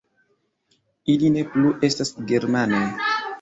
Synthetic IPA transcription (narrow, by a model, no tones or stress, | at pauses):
iline̞pluʔe̞stasɡe̞ɾmanoj